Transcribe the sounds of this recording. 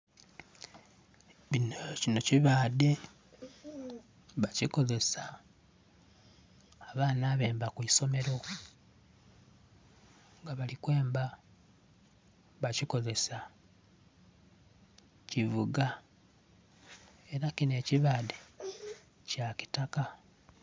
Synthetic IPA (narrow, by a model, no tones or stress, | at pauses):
incino̞ciβaːde̞ | βaciko̞ze̞sa | βaːnaːβe̞ːmbakuiːso̞me̞ɾo̞ | ŋɡaβalikwe̞ːmba | βaciko̞ze̞sa | civuɡa | eɾacine̞ːciβaːde̞ | caci̥taka